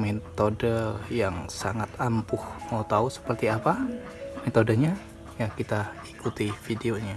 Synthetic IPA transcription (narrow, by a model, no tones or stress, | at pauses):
met̪odəjaŋsaŋat̪ampʊhmaut̪ausə̥pərt̪iapa | met̪odəɲa | jakit̪aikut̪ifideoɲa